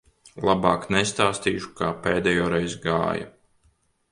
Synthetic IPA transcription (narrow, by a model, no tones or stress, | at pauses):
lˠabaːknɛst̪aːst̪iːʃu̥kaːpeːd̪ɛjɔːɾɛjzɡa̰ːja̰